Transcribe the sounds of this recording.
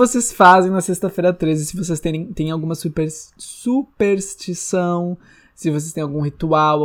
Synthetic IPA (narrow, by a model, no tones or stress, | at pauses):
vosesfazẽj̃nɐsest̪ɐfejɾɐt̪ɾezɪsɪvos̬est̪ẽɾẽj̃t̪ẽj̃awɡũmɐsupeɾsupeɾst͡ʃisɐ̃w̃ | sɪvos̬est̪ẽj̃awɡũɦit̪uaw